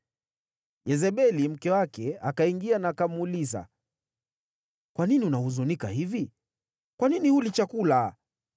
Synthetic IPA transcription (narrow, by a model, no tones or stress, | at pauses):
jɛzɛɓɛlim̩kɛwakɛakaiŋɡianakamuliza̰ | kwaniniunahuzunika̰hivi | kwaninihulit͡ʃakula